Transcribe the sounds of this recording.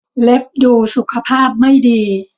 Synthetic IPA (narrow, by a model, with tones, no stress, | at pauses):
le˦˥p̚duː˧su˨˩kʰa˧pʰaː˥˩p̚ma˥˩jdiː˧